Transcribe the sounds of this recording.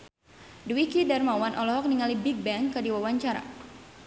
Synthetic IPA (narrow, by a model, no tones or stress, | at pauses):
duwikidarmawanʔɔlɔɦɔk̚niŋalibik̚bɛŋkədiwawaɲt͡ʃaɾa̰